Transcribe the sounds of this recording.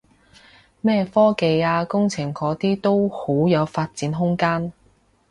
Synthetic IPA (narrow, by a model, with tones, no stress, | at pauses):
mɛː˥fɔː˥ke˧jaː˧kʊ˥ŋt͡sʰɪ˨˩ŋkɔː˨˧˥t̪iː˥t̪o˥who˨˥wjɐ˨˧wfaː˧t̚t͡siː˨˥nɦʊ˥ŋkaː˥n